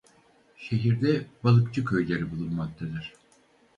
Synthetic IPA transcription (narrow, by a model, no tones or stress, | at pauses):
ʃeɦiɾd̪ɛbalˠɯkt͡ʃɯkʰøjlʲeɾibulˠunmak̚t̪ʰad̪ɯɾ̝̥